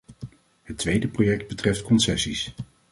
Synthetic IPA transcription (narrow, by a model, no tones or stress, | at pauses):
ɦətʋejdəprojɛk̚d̚bətrɛftkɔnsɛsis